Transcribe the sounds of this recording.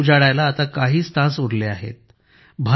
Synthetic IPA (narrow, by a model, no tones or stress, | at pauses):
d͡zaɽajlaːt̪akaɦiːst̪ʰãsuɾleaɦḛt̪̚ | bʱa